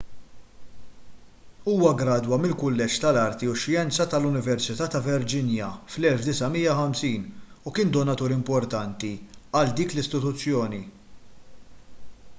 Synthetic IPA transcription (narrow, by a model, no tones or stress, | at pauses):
uːwɐɡɾɐːd̪wɐmɪlkʊlːɛt͡ʃt̪ɐlɐɾt̪iʊʃjɛnt͡sɐt̪ɐlʊnɪvɛɾsɪt̪ɐːt̪ɐvɛɾd͡ʒɪnjɐflɛlfd̪ɪsɐmiːjːɐħɐmsiːnukɪːnd̪ɔnɐt̪uːɾɪmpɔɾt̪ɐnt̪iɐld̪iːklɪst̪ɪt̪ʊt͡sːjɔːni